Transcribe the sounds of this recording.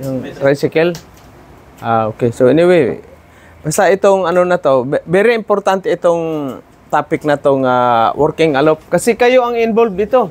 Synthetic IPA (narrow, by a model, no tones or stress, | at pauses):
joŋɾajsɪkɛl | ʔaokesoɛniwej | bast̪aɪt̪oŋanonat̪obɛɾeɪmpoɾt̪ant̪ɛɪt̪oŋ | t̪aːpɪk̚nat̪oŋawʔɔɾkɪŋalop̚kasɪkajoʔaŋɪnbolb̚d̪it̪o